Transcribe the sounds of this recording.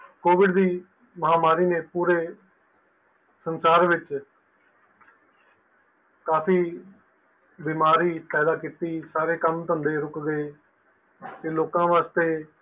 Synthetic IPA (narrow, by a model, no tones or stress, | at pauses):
koːʋɪɖd̪iː | məɦaːmaːɾiːneːpuːɾeː | sənsaːɾʋɪt͡ʃ | kaːpiː | biːmaːɾiːpɛːd̪aːkit̪iːsaːɾeːkəmt̪ʊənd̪eːɾʊkɡeː | t̪eːloːkãːʋaːst̪eː